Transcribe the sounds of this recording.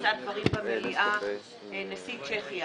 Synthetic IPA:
zad̪vaʁimbameliʔa | enesit͡ʃeχija

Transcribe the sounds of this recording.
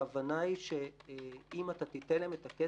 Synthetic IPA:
avanaiʃe | imat̪at̪it̪eleemet̪ake

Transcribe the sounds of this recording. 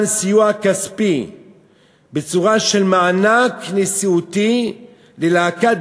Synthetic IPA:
nsijuakaspi | bet͡suʁaʃe̞lmaanaknesiut̪i | lelaakat

